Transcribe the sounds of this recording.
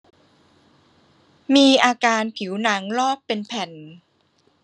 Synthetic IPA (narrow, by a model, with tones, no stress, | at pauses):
miː˧ʔaː˧kaː˧npʰi˩˦wna˩˦ŋlɔː˥˩pːe˧npʰɛ˨˩n